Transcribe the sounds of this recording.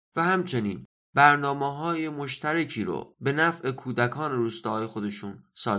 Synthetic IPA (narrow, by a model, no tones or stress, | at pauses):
væhæmt͡ʃʰe̞niːn | bæɾnɒːmeɦɒːje̞mo̞ʃt̪ʰæɾecʰiːɾo̰be̞næfʔe̞kʰuːd̪ækʰɒːne̞ɾuːst̪ɒːjexo̞d̪e̞ʃuːnsɒː